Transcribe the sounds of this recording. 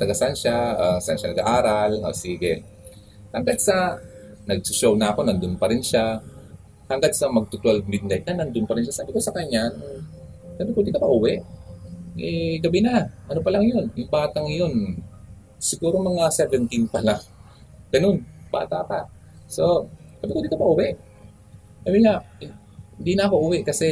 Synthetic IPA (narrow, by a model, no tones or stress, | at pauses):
t̪ɐɡasanʃaasa̰nʃanɐɡaʔaːɾalŋa̰siːɡɛ | hɐŋɡad̪sɐnɐɡ̚sʊʃownɐɐko̞nɐnd̪ʊnpɐɾɪnʃa | hɐŋɡad̪̚sɐmɐɡ̚t̪ʊt̪ʊalmɪd̪̚nɛt̪̚ɲanɐnd̪ʊnpɐɾɪnʃasaːbɪkosɐkaɲːano | ɡɐnopwɛːd̪ɪkɐpɐʔuːwɛʔ | ʔɛɡɐbɪnaʔɐnopɐlaŋjo̞njʊŋbaːt̪aŋjo̞n | sɪɡuːɾomɐŋasɛvɛnt̪inpɐlaŋ | ɡ̥ɐno̞nb̥a̰ːt̪apa | so̞ɡ̥abɪkwɛd̪ɪkopɐʔuːwɛʔ | kɐbiŋaɪ | hɪnd̪inɐːkoʔuːwɛʔkɐsɛ